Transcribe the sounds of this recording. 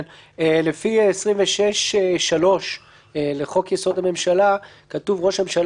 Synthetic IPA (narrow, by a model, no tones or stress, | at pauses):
nelefiesʁimveʃeʃʃalo̞ʃ | eleχo̞kjeso̞dhame̞mʃala | katuvʁo̞ʃmemʃal